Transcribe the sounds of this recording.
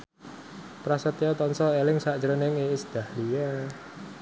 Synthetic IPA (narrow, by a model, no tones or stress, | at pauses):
pɾasət̪jɔt̪ɔnsɔelɪŋsaʔd͡ʒɾənɪŋeɪsd̪̥a̤hlija